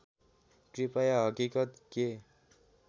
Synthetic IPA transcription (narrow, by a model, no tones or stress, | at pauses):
ʈɾipajaɦʌkikət̪ke